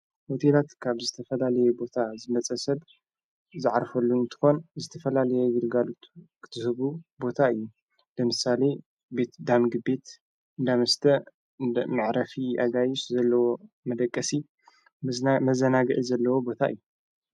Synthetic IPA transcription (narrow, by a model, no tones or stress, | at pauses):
hot̪ʰelat̪kʰaβzɨt̪ʰɐfɐlalɐjɛbo̞t̪ʰazɨmɐt͡sʼɐsɐd | zɨʕaɾfɐlːuɨnt̪ʰɨ̥xo̞nzɨt̪ʰɐfɐlalɐjɛjɪɾɡalut̪ʰkʰɨ̥t̪ʰɨhɨβubo̞t̪ʰaɨjːu | b̥ɨmɨsale̞ | be̞t̪d̪amɡɨbe̞t̪ | ɨnd̪amɐst̪ʰɐ | mɨʕɾɐfiʔaɡajɪʃzɐlːɐwo̞ | mɐd̪ɐkʼːɐsi | mɐzɐnaɡɨʔizɐlːɐwobo̞t̪ʰaʔɨ̰jːu